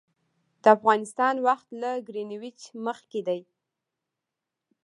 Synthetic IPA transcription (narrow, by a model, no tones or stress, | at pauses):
d̪̥əafɣɑnɪst̪ɑnwaxt̪laɡɾiniwit͡ʃməxked̪aj